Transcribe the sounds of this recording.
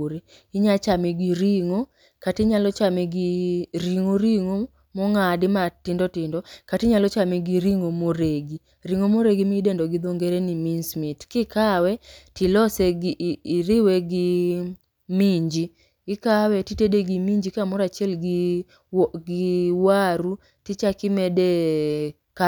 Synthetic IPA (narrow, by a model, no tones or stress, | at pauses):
ɾi | ɪɲat͡ʃamɛɡiɾiŋo | katɪɲalɔt͡ʃamɛɡɪɾiŋoɾiŋo | mɔŋadɪmatɪndɔtɪndɔkatɪɲalɔt͡ʃamɛɡiɾiŋomoɾeɡi | ɾiŋomoɾeɡimidendɔɡɪd̪oŋɡeɾeniminsmitkɪkawɛtɪlɔsɛɡɪɾɪwɛɡɪ | miɲd͡ʒi | kɪkawɛtitedeɡimiɲd͡ʒikamɔɾat͡ʃjɛlɡɪ | ɡɪwaɾu | tɪt͡ʃakɪmɛde | ka